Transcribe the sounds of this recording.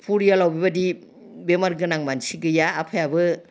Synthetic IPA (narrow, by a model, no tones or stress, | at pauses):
pʰuɾijalawbibadi | bemaɾɡɯnaŋmansiɡɯjaːpʰajabɯ